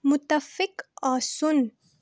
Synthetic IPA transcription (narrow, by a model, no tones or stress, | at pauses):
mʊt̪ːəfɪkɔːsʊn